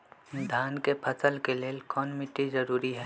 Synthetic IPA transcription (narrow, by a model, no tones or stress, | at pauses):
d̪ʱaːnkepʰɐsəlkeleːlkɔːnmɪʈːizɐɾuːɾiɦɛː